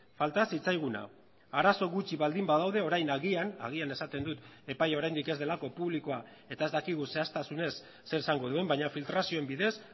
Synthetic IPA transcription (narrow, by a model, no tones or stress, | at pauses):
falt̪asit͡sajɣ̞una̰ | aɾaso̞ɣut͡ʃiβald̪imbaðawðe̞o̞ɾajnaɣiana̰ɣiane̞sat̪e̞nd̪ut̪e̞pajao̞ɾajnd̪ike̞zðe̞lako̞puβlikoa | e̞t̪ae̞zd̪akiɣ̞use̞ast̪asune̞sː | e̞ɾesaŋɡo̞ðue̞mbaɲafilt̪ɾasio̞e̞mbiðe̞s